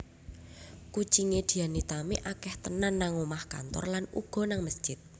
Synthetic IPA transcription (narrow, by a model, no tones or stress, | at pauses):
ku̥ʒ̥iŋed̪̥i̤anit̪amiʔakɛht̪ənanːaŋomahka̰nt̪ɔ̰rlanṵɡ̥ɔ̤naŋməsʒ̥ɪt̪̚